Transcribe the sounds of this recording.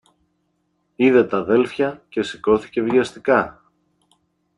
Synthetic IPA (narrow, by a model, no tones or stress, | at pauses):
iðe̞t̪ɐðe̞lfçɐce̞si̥ko̞θi̥ce̞vʝɐst̪ikɐ